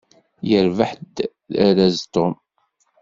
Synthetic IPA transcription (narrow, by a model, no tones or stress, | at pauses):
jəɾvəħd̪ | æɾæzt̪om